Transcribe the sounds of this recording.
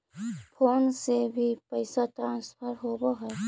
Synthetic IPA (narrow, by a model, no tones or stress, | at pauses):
pʰoːnsebʱipəjsat̪ɾãːnspʰəɾɦoːboɦɛː